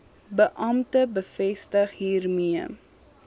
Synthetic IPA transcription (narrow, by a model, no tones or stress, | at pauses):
bəʔɐmtəbəfɛstəχɦiːrmiə